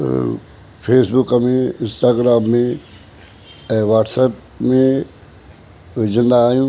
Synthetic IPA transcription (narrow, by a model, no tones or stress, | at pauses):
pʰeːsbʊkɐmẽɪ̃nsʈaːɡɾaːmːẽ | ʋaːʈsɛp̚ | mẽ | zɪ̃nd̪aːjũː